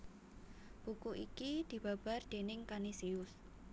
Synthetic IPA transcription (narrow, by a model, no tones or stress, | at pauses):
b̥ukuʔikid̪̥i̤b̥a̤b̥a̤rd̪̥enɪŋkanisiʊs